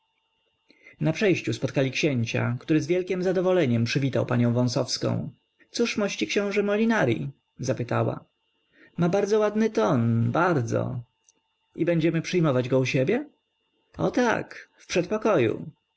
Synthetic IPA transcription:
napʂɛjɕt͡ɕuspɔt̪̚kalʲikɕɛɲt͡ɕa̰kt̪uɾɘzvʲjɛlkʲɛmzad̪ɔvɔlɛɲɛmpʂɘvʲit̪awpaɲɔ̃w̃vɔ̃w̃sɔfskɔ̰̃w̃ | t̪suʂmɔɕt͡ɕikɕɛ̃w̃ʐɛmɔlʲinaɾʲḭ | zapɘt̪awa̰ | mabaɾd̪zɔwad̪nɘt̪ɔnbaɾd̪zɔ̰ | ibɛɲd͡ʑɛmɘpʂɘjmɔvad͡ʑɡɔuɕebʲjɛ | ɔ̰t̪a̰kfpʂɛt̪̚pɔkɔjṵ

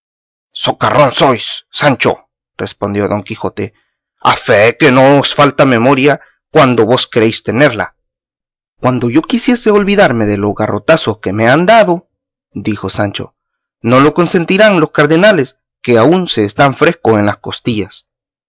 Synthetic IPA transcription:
so̞karʔo̞nso̞jsːant͡ʃo̞̰ | re̞spo̞nd̪jo̞ðo̞ŋkixo̞t̪e | a̰feke̞noosfalt̪ame̞mo̞ɾja | kwand̪o̞βo̞skeɾejst̪e̞ne̞ɾla̰ | kwand̪o̞ʝo̞kisje̞seolβiðaɾme̞ðeloɣaro̞t̪asoske̞meand̪aðo̞ | d̪ixo̞sant͡ʃo̞̰ | no̞lo̞ko̞nse̞nt̪iɾaŋloskaɾðenale̞s | ke̞aunse̞ːst̪aɱfɾe̞skoenlasko̞st̪iʝas

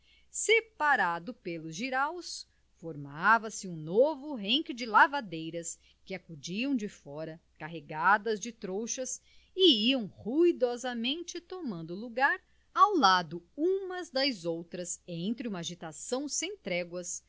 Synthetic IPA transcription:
sepaɾad̪ʊpelʊzʒiɾaws | foɾmavɐsɪũnovʊɦẽŋkɪd͡ʒɪlavad̪ejɾɐs | kɪakud͡ʒiɐ̃w̃d͡ʒɪfɔɾɐ | kaɦeɡad̪ɐzd͡ʒɪt̪ɾowʃɐs | ɪiɐ̃w̃huid̪ɔzɐmẽnt͡ʃɪt̪omɐ̃nd̪ʊluɡaɾ | awlad̪ʊũmɐzd̪ɐzowt̪ɾɐzẽnt̪ɾɪũmɐaʒit̪asɐ̃w̃sẽj̃t̪ɾɛɡwɐs

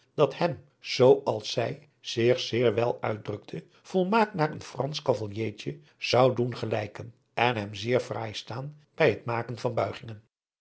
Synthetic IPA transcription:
d̥ɑthɛm | z̥owɑlˠsɛj | z̥ɪχz̥ɪːɹʋɛlˠœ̰ɥd̚drɵk̚tʰə | v̥ɔlˠmaːk̚naːrənfrɑnskɑvɑlˠjejt͡ʃə | z̥ɑwdunχəlɛjkən | ɛnɦɛmzɪːɹvra̰ːjstaːn | b̥ɛjɦətmaːkənvɑnbœɥχɪŋən

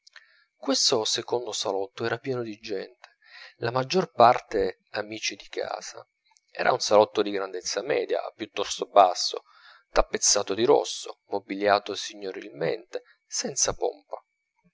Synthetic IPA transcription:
kwest̪osekond̪osalɔt̪ːoɛːɾapjɛːnod̪id͡ʒɛnt̪e̥ | lamad͡ʒːorpart̪e | amiːt͡ʃid̪ika̰ːz̥a̰ | ɛ̰ːɾʔa̰unsalɔt̪ːod̪iɡɾand̪et̪sːamɛ̰ːd̪ja̰pjut̪ːɔst̪obasːo̰ | k̪apːet̪sːaːt̪od̪iɾɔ̰sːo̰mobiljaːt̪osiɲːoɾḭlmḛnt̪e | sɛnt̪sapo̰mpa

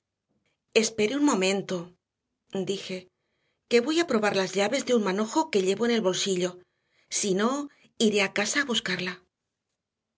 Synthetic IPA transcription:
e̞spe̞ɾeunmõ̞mẽ̞nt̪o | d̪ixe̞ | ke̞βo̞japɾo̞βaɾlazʎaβe̞zðeunmano̞xo̞ke̞ʎe̞βoene̞lβo̞lsiʎo̞ | sino̞ | iɾe̞akasaːβuskaɾla

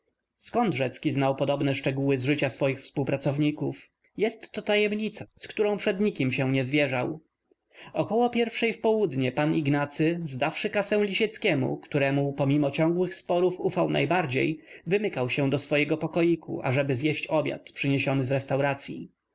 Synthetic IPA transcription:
skɔnd̪ʐɛt̪skʲiznawpɔd̪ɔbnɛʂt͡ʂɛɡuwɘzʐɘt͡ɕasfɔjixfspuwpɾat̪sɔvɲikuf | jɛst̪ːɔt̪ajɛmɲit̪saskt̪uɾɔ̃w̃pʂɛd̪ɲikʲimɕɛ̃w̃ɲɛzvʲjɛʐaw | ɔkɔwɔpʲjɛɾfʂɛjfpɔwud̪ɲɛpaniɡnat̪sɘzd̪afʂɘkasɛ̃w̃lʲiɕɛt̪skʲɛmṵkt̪uɾɛmupɔmʲimɔt͡ɕɔŋɡwɘxspɔɾufufawnʔa̰jbaɾd͡ʑḛjvɘmɘkawɕɛw̃d̪ɔsfɔjɛɡɔpɔkɔjikʰṵʔa̰ʐɛbɘzjɛɕt͡ɕɔbʲja̰t̪pʂɘɲeɕɔnɘzɾɛst̪awɾat̪sʲjḭ

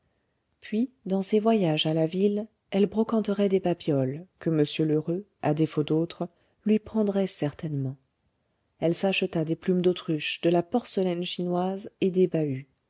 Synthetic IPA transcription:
pɥi | d̪ɑ̃sevwajaʒalavil | ɛlbʁɔkɑ̃t̪əʁɛd̪epapjɔlkəməsjøløʁø | ad̪efod̪ot̪χ | lɥipχɑ̃d̪ʁɛsɛʁt̪ɛnmɑ̃ | ɛlsaʃət̪ad̪eplymd̪ot̪χyʃd̪əlapɔʁsəlɛnʃinwazed̪ebay

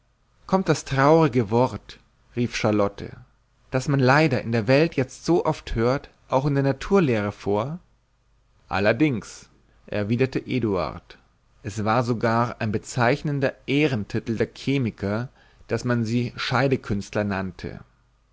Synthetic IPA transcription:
kʰɔmt̚d̥astʁ̥aʊʁɪɡəvɔʁt | ʁiːfʃaɐlɔtʰə̰ | d̥asmanlaɪdɐʔɪ̰ndeːɐvɛltjɛt͡stz̥oːʔɔfthøːɐt | ʔaʊxɪndeːɐnatʰuːɐleːʁ̞əfoːɐ | ʔa̰lɐdɪŋs | ʔɛ̰ɐviːdɐtəʔeːdua̰ɐt | ʔɛsv̥aːɐzoɡaːaɪnbət͡saɪçnəndɐʔeːʁəntʰɪtl̩deːɐkʰeːmɪkʰɐ | d̥asmanziːʃaɪdəkʰʏnstlɐnantʰə̰

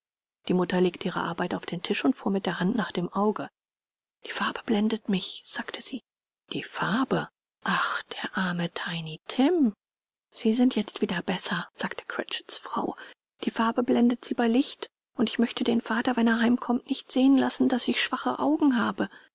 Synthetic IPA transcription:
d̥iːmʊtɐleːk̚tʰəʔiːʁə̰ʔa̰ɐbaɪtaʊfd̥eːntʰɪʃʊntfuːɐmɪt̚d̥eːɐhantnaːχd̥eːmʔaʊɡə | d̥i̥ːfaɐbəblɛndətmɪçz̥aːktʰəz̥iː | d̥iːfaɐbə | ʔaχd̥eːɐʔaɐmətʰaɪnitʰɪm | z̥iːzɪntjɛt͡stv̥iːdɐbɛsɐz̥aːktʰə̥kʰʁ̥ɛ̰t͡ʃə̥sfʁ̥a̰ʊ | d̥iːfaɐbəblɛndətz̥iːbaɪlɪçt | ʔʊntɪçmœçtədeːnfaːtɐvɛneːɐɦaɪmkʰɔmtnɪçtz̥eːənlasn̩dasɪçʃv̥aχəʔaʊɡŋ̩ɦaːbə

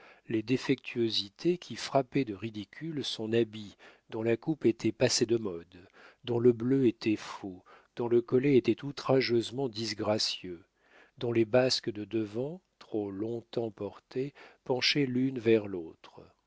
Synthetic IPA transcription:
led̪efɛk̚t̪ʰyozit̪ʰekʲʰifχapɛd̪əʁid̪ikʲʰylsɔ̃nabid̪ɔ̃lakupet̪ʰɛpased̪əmɔd̪ː | ɔ̃ləbløet̪ʰɛfo | d̪̥ɔ̃ləkɔlɛet̪ɛt̪ut̪χaʒøzmɑ̃d̪izɡʁasjø | d̪ɔ̃lebaskəd̪əd̪əvɑ̃t̪χolɔ̃t̪ɑ̃pɔʁt̪epɑ̃ʃɛlynvɛʁlot̪χ

